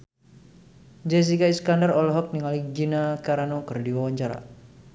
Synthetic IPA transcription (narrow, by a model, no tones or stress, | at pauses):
d͡ʒɛs̬ikaiskandərɔlɔɦɔk̚niŋaliɡinakaɾanokɨrdiwawaɲt͡ʃaɾa̰